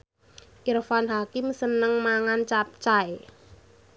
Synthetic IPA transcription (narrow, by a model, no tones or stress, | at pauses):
ʔirfanɦakɪmsənəŋmaŋant͡ʃap̚t͡ʃae